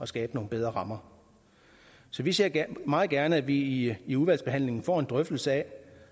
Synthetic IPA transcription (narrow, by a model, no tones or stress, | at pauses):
ɒ̽sɡ̥ɛːb̥əno̝ːn̩beð̞ˠʁɐʁɑ̈mɐ | sɒ̽ʋise̝ɐ̰mɑ̈ːð̩ˠɡ̥æɐnəæʋiːuðʋæl̰sb̥e̝hæn̰le̝ŋn̩fɒ̰ːe̝nd̥ʁœfd̥l̩səɛ